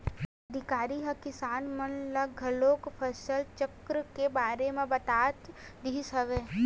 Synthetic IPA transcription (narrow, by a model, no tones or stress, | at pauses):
ɐd̪ʱɪkaːɾiɦɐkɪsaːnmənlɐɡʱəloːkpʰəsəlt͡ʃəkɾəkebaːɾemẽbɐt̪aːt̪ | d̪iːsɐʋeː